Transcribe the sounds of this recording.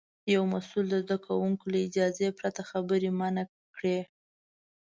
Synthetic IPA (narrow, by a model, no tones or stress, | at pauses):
jawmasuld̪əzd̪akʰawuŋkolaɪd͡ʒɑzepɾat̪axabəɾemana | kɽe